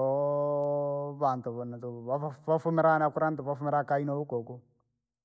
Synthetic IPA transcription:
ɔ | βant̪uβɔntuβaβafumɛɾanakuɾantuβafumɛɾakainɔukoku

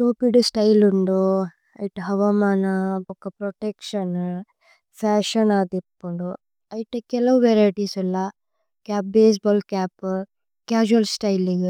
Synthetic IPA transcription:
ʈ̪oːpiɖusʈɐjluɳɖu | ɐ̰jʈɦɐʋɐmaːnɐbokːɐpɾoʈekʂɐn | fʰaːʃɐnaːd̪ipːuɳɖu | ɐjiʈekɛlɐʋuʋeɾajʈiːsɐlːɐ | kaːp̚beːs̬bɔːlkaːp | kaːd͡ʒuɐlsʈɐjliɡu

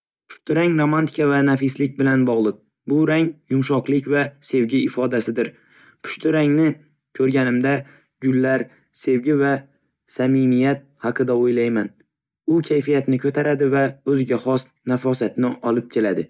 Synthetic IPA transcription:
pʰʊ̥ʃt̪ʰʊɾaŋɾomant̪ʰɪ̥kavanafɪslɪk̚ʲbɪlanbɒʁlˠɨq̚ | bʊɾaŋjʊmʃɒqlˠɪkʲvase̞wɡʲɪɪfɒd̪asɪd̪ɪɾ | pʰʊ̥ʃt̪ʰʊɾaŋnɪ | kʲʰɵɾɡʲanɪmd̪a | ɡʲʊlːaɾ | se̞wɡʲɪva | samɪmijat̪̚hɑqʰɨd̪aojlajman | ʊkʲʰajfijat̪nɪkʰɵt̪ʰaɾad̪ɪvaɵzɪɡʲaχɒs | nafɒsat̪nɪʔɒlɪp̚kʲʰe̞lad̪ɪ

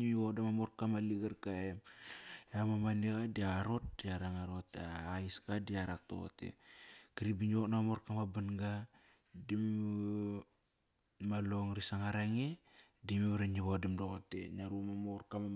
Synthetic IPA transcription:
imiβodamamoɾkamaliɡaɾkaemjamamaniɣadiaɾo̞t̚diaɾaŋaɾotaaiskadiaɾak̚to̰ɣo̰tḛkiɾibiɲoknamoɾkamabanɡa | dim | alo̞ŋɾisaŋaɾaŋedimiβaɾaɲiβodimdoɣotḛnaɾumamoɾkama

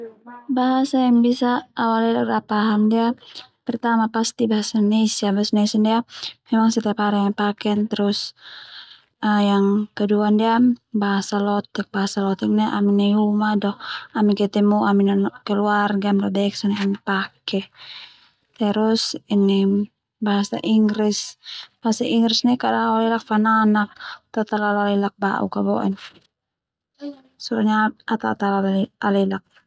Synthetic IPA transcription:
baɦasaaŋbisaːwalidakɾapaɦamdiapɛrt̪amapast̪ibaɦasanesiabasnesandiamɛmaŋsət̪apaɾaipakɛnt̪ɛɾʊs | əjaŋkəduandiabaɦasalɔt̪ɛk̚baɦasalɔt̪ɛk̚nɛʔa̰minɛumadɔhamikɛt̪ɛmuʔaminankɛluarɡamɾabɛksɔnɛamipakɛ | t̪ɛɾusinɛ | baɦasa̰ʔiŋɾisbaasaiŋɾisnɛkadaalɛlak̚fananak̚t̪at̪alalalɛlak̚ba̰ʔṵkabɔ̰ʔɛ̰n | suɾaɲaat̪at̪alalalɛlak̚

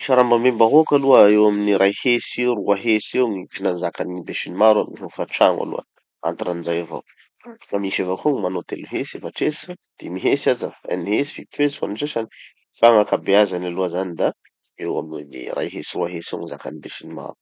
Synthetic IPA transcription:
iʃaɾambamembaɦokaluəewaminiɾʔajheseruaɦesewŋit̪inanzakanibesinimaɾuamniɦefraʈ͡ʂaŋa̰lṵə̰ | a̰nt̪aɾanzajava̰w | ŋamiʃevakoŋmanot̪ḛluɦesefaʈ͡ʂesd̪̥emiɦesazaa̰niɦesi̥fit̪uesua̰nʈ͡ʂesani | faŋakabeazanaluəzanid̪a | ewa̰mnḭra̰jɦesiɾuaɦesewŋizaka̰nibeʃinima̰ɾu

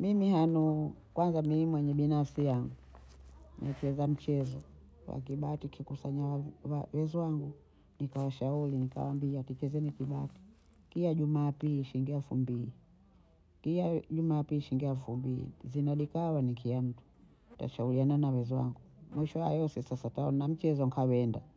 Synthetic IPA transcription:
mimihanu | kwanzamimwɛɲɛɓinafsijaŋɡu | nɛt͡ʃɛzam̩t͡ʃɛzɔ | wa̰k̬iɓatikikusaɲawawawɛzɔwaŋɡu | nikawaʃaulinika̰wambiatit͡ʃɛzɛnikiɓati̥ | kiaʄumaːpiʃiŋɡiafumbii | kiaʄumaːpiːʃiŋɡialfumbiḭzinaɗikawanikʰiam̩tu̥ | ta̰ʃauliananawɛzwa̰ŋɡumwiʃɔajɔsisasataɔ̰nam̩t͡ʃɛzɔŋkʰawɛnda

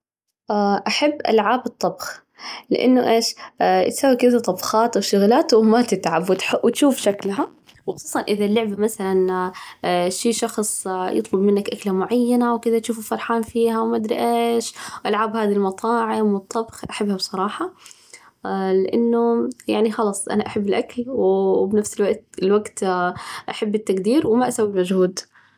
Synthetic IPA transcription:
ʔaʔaħabːʔa̰lʕaːbɨt̪ˤːɑbx | lɪ̰ʔa̰nːʊʔeːʃt̪saːwikɪd̪at̪ˤɑbxɑːt̪wʃʊɣlaːt̪wmat̪ɪt̪ʕabwɪt̪ħwɪt̪ʃuːfʃaklɦa | wxʊsˤuːsˤɑnʔɪðalːʊʕbamaθalan | ʃiːʃɑxsˤjʔɨ̰t̪ˤlʊbmɪnːakʔaklamʊʕajːanawkɪðat̪ʃuːfɪfɑɾˤħaːnfiːɦawmad̪ɾḭʔeːʃʔalʕaːbhaːd̪ilmɑt̪ˤɑːʕɪmwɨt̪ˤːɑbxʔaħabːhabsˤɑɾˤɑːħɑ | lɪʔanːʊjaʕnixɑlɑːsˤʔa̰naʔaħabːɪlʔaklwbnafsɪlwaʔt̪ɪlwaɡt̪ʔaħabːɪt̪ːaɡd̪iːɾwmaʔasawːibmad͡ʒhuːd̪

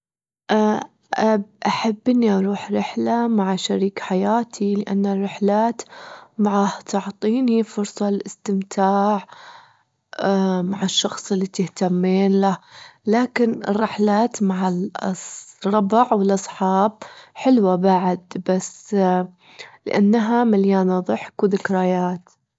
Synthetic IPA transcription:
ʔa | ʔaʔaħabːʔɪnːiʔɑɾˤuːħɾɪħlamaʕaʃaɾiːkħajaːt̪ʰilɪʔa̰nːarːɪħlaːt̪maʕaht̪ʰʊʕt̪ˤiːnhiːfʊɾsˤɑlʔɪst̪ɪmt̪ʰaːʕ | maʕɪʃːɑxsˤɪlːit̪ɪht̪amːiːnlahlaːkɪnɪ̰rːɪħlaːt̪maʕalsrˤɑbʕwɪlʔɑsˤħɑːb̚ħɪlwabaʕɪd̪bas | lɪʔanːaɦamaljaːnaðˤɨħkwðɪkɾajaːt̪

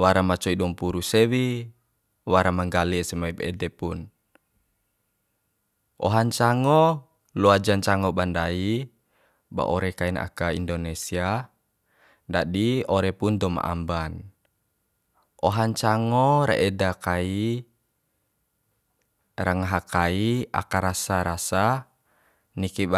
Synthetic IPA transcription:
waɾamat͡ʃɔidɔmpuɾusɛwi | waɾamaŋɡalisɛmaibɛ̰dɛpun | ʔɔ̰ɦaɲt͡ʃaŋɔ | luad͡ʒaɲt͡ʃaŋɔbandai | ba̰ʔɔɾɛkaina̰kaindɔnɛsia | dadiɔɾɛpund̪ɔma̰ʔa̰mban | ʔɔɦaɲt͡ʃaŋɔɾa̰ʔɛdakai | ɾaŋaɦakaia̰kaɾasaɾasa | niki

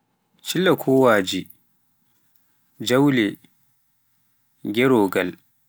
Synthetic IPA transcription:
t͡ʃilːakʰɔːwaːd͡ʒi | d͡ʒawlɛ | ɡʲɛɾɔːɡal

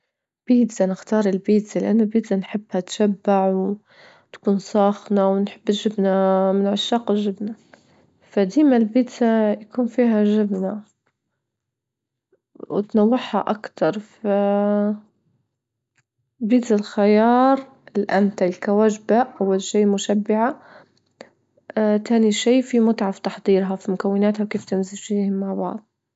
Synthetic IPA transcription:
b̥iːt̪anɪxt̪ɑːɾˤɪlbiːt̪alʔanːabiːt̪anħɪbːhat̪ʃabːaʕw | t̪ḁkuːnsˤɑːxnawnħɪbːʒɪbnamɪnʕaʃːɑːqʒɪbna | fad̪iːmalbiːt̪ajakuːnfiːɦaʒɪbna | wt̪nawːɪħha̰ʔakt̪ɑɾˤfa | biːt̪alxajɑːɾˤ | ʔɪlːiʔant̪alkawaːʒbaʔawːalʃiːmʊʃabːɪʕa | t̪aːniʃiːfimʊt̪ʕaft̪ɑħd̪ˤiːɾɦafimʊkawːɪnaːt̪hawkeːft̪ɪmzɪʒfiːhɪmːaʕbɑ̰ʕd̪ˤ

